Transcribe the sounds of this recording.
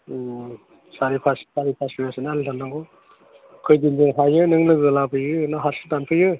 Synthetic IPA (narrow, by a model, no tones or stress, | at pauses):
saɾipʰassaɾipʰaspijasɯnalitʰanːaŋɡɔ | kʰɔjdind͡ʒɯŋɦajɯnɯŋlɯɡɯlabʰɯjɯnaɦasʰɯtanpʰɯjɯ